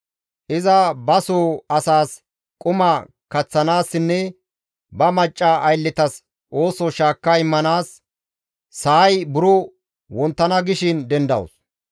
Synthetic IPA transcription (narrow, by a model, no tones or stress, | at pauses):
ʔɪzɐbɐsoːɐsaːs | kʼʊmɐ | kɐt͡sːɐnaːsːɪnːɛ | bɐmɐt͡ʃʼːaʔɐjlːɪt̪ɐs | ʔo̞ːsɔʃaːkːɐɪmːɐnaːsː | ɐjbʊɾɔ | wɔnt̪ːɐnɐɡɪʃɪnd̪ɛnd̪ɐ̰wʊ̰s